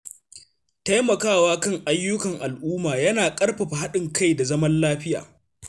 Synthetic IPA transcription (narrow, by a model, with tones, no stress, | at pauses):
ta˦jmɐ˨kaː˦˨waː˦kɐ˦ŋʔa˦jːʊ˦kɐ˨ŋʔa˨lʔuː˦maː˨jɐ˦naː˨kʼɐ˦rɸɐ˨ɸa˨ha˦ɗɪ˨ŋka˦˨jda˨zɐ˦mɐ˦nlaː˦ɸɪ˦ja̰ː˨